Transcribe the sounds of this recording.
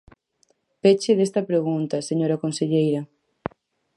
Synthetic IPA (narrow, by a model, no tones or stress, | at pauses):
pet͡ʃɪðest̪ɐpɾeɣunt̪ɐseɲoɾɐkonseʎejɾɐ